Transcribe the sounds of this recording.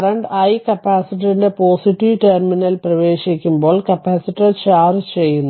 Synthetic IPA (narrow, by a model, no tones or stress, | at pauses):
ɐrɐɳɖɐjkɐpːaːsiʈːiɾindepo̞ːsiʈːiʋʈeːrminɐlprɐʋe̞ːɕikʲːumbo̞ːɭkɐpːaːsiʈːɐt͡ɕaːrt͡ɕe̞jːunːu